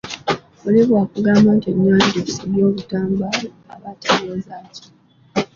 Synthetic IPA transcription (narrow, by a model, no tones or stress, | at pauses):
uliβwaːkuɡaːmaːnteɲːwaːndiisiβjo̞ːβutaːmbal | aβatʰeɾozaːci